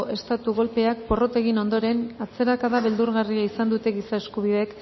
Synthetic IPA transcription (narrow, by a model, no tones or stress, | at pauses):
ʔe̞st̪at̪uɣ̞o̞lpe̞ak̚po̞ro̞t̪e̞ɣino̞nd̪o̞ɾe̞nat͡se̞ɾakaðaβe̞ld̪uɾɣariaisand̪ut̪e̞ɣisae̞skuβ̞iðe̞k